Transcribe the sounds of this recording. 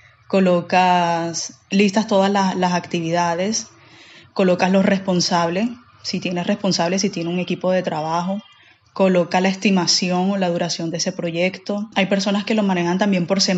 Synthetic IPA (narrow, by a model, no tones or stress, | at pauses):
ko̞lo̞kaslist̪ast̪o̞ð̞aslaslasakt̪iβiðaðe̞s | ko̞lo̞kaslo̞sre̞spo̞nsaβle̞ | sit̪je̞ne̞sre̞spo̞nsaβle̞s̬it̪je̞neuŋe̞kipo̞ð̞e̞t̪ɾaβaxo̞ | ko̞lo̞kalae̞st̪imasjo̞ŋo̞laðuɾasjo̞nd̪eese̞pɾo̞ʝe̞kt̪o̞ajpe̞ɾso̞naske̞lo̞mãne̞xant̪ambje̞mpo̞ɾse